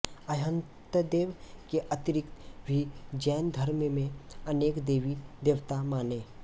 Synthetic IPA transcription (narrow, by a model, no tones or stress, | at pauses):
əɦə̃nt̪əd̪eːʋkeʔət̪ɪɾɪkt̪bʱid͡ʒɛːnd̪ʱəɾmmẽəneːkd̪eːʋid̪eːʋt̪amaːneː